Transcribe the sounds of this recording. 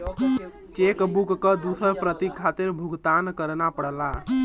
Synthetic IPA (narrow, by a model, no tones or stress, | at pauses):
t͡ʃekbukkːəd̪usəɾpɾət̪ikʰːat̪iɾbʱuɡt̪ankəɾnapəɽla